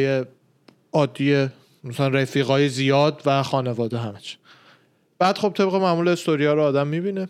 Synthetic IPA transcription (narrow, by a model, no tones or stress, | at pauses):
je | ɒːd̪ːije | mæsælænɾefiːɣɒːjezijɒːd̪væxɒːne̞vɒːd̪eɦæmæt͡ʃʰ | b̥æːd̪̥χo̞b̚t̪ʰe̞bɣe̞mæmuːleist̪oɾijɒːɾoːd̪æmːibine